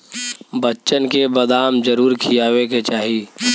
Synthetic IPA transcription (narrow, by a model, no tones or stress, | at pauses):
bətːʃənkebəd̪aːmd͡ʒəɾuːɾkʰijaːweket͡ʃaːɦi